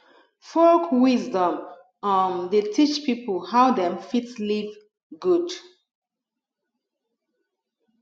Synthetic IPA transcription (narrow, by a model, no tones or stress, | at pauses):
fɔlkwizdɔ̃m | ʌmdetʰit͡ʃpʰipəl̩haʊdɛ̃mfitliv | ɡud